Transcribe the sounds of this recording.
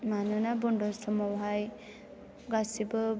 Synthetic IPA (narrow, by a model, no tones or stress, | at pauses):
manunabundɔstʰɔmɔwɦaj | ɡasibɯ